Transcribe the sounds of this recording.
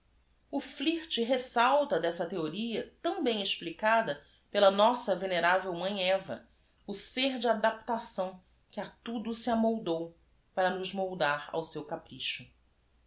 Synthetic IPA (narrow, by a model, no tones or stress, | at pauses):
ʊfliht͡ʃɪɦesawt̪ɐd̪ɛsɐt̪eoɾiɐt̪ɐ̃w̃bẽj̃ɪʃplikad̪ɐ | pelɐnɔsɐveneɾavewmɐ̃ɲɛvɐ̰ | ʊseɾd͡ʒɪad̪ap̚t̪asɐ̃w̃ | kɪat̪ud̪ʊsɪamowd̪ow | paɾɐnʊʒmowd̪aɾa̰wsewkapɾiʃʊ